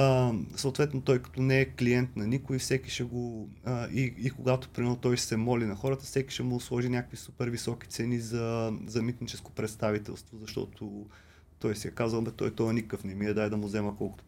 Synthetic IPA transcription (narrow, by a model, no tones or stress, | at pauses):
səʊt̪vɛt̪not̪ɔjkɐ̥t̪ɔnɛːkliɛnt̪nɐnikʊifsɛkiʃɛɡo | ʔiikʊɡat̪ʊ̥pɾimɛɾnʊt̪ɔjsɛmɔlinɐxɔɾət̪ə̥fsɛki̥ʃɛmʊslˠɔʒinʲakə̥kvisupɛɾvisɔki̥t̪sɛnizɐzɐmit̪nit͡ʃɛsko̥pɾɛt̪st̪avit̪ɛ̰lˠst̪vozɐʃt̪ɔ̰t̪ʰʊ | t̪ɔjsiɛkazvəlˠbɛt̪ɔ̰jt̪ɔənikkəfnɛmiɛd̪aɛd̪ɐmuzɛməkɔlˠkʊ̥t̪ʊ̥